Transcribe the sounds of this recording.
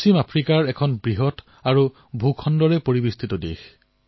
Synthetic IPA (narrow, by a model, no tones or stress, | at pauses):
slimapʰɹikaɹɛkʰɔnbɹiɦɔt | aɹu | bʱukʰɔndɔɹɛpoɹibistʰitɔdḛx